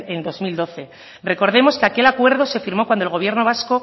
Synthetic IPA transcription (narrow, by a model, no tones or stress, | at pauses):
end̪o̞zmild̪o̞θe̞ | re̞ko̞ɾðe̞mo̞skeake̞lakwe̞ɾðo̞se̞fiɾmo̞kwand̪oelɣo̞β̞je̞ɾno̞β̞asko̞